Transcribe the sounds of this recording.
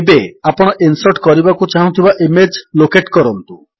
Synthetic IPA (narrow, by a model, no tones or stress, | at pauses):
beapɔɽ̃ɔʔinsɔɾʈkɔɾibakut͡ʃaɦũt̪ʰibaʔimed͡ʒlokeʈkɔɾɔnt̪u